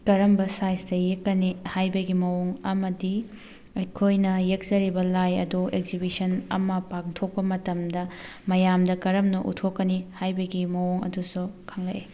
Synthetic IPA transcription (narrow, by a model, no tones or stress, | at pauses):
kɐɾɐmbɐsajsdɐjekːɐnihajbɐɡimɐwoŋɐmɐdi | ɐjkʰojnɐjek̚zɐɾibɐlajɐ̰duek̚zibisɐnɐ̰mɐpaŋtʰok̚pɐmɐtɐmdɐ | mɐjamdɐkɐɾɐmnɐʔṵtʰokːɐnihajbɐɡimɐwoŋɐ̰dusukʰɐŋlɐ̰e